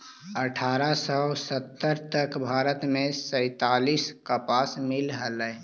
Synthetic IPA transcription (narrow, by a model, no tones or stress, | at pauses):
əʈʰaːɾasəsət̪ːəɾt̪əkbʱaːɾət̪mẽsə̃ɪt̪aːliskəpaːsmɪlɦələ